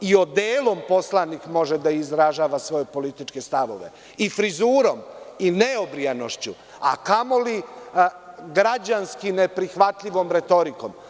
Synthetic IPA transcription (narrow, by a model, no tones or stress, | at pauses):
io̞d̪eːlˠo̞mpo̞slˠanikmo̞ʒed̪aizɾaʒaːʋasʋo̞je̞po̞lit̪it͡ʃkest̪aʋo̞̰ʋe̞̰ | ifɾizuːɾo̞mineobɾiano̞ʃt͡ɕu | a̰kamo̞li | ɡɾad͡ʑanskinepɾixʋat̪ʎiʋo̞mɾe̞t̪o̞ɾiko̞̰m